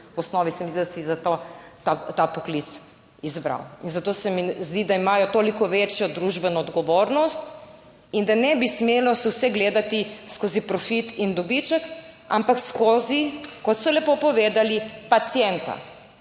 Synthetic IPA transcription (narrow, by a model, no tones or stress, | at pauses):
wɔsnɔːʋisɛmizd̪id̪asizat̪ot̪at̪apɔklit̪s | izbɾa̰winzat̪osɛmizd̪id̪aimaːjɔt̪oːlikɔʋet͡ʃjɔd̪ɾuʒbɛnɔːd̪ɡɔʋoːɾnɔst̪ | ind̪anɛbismeːlɔsɛwsɛɡleːd̪at̪iskozipɾɔfit̪ind̪ɔbit͡ʃək | ampakskozikɔt̪sɔlɛpopɔʋeːd̪alipat̪sijɛnt̪a̰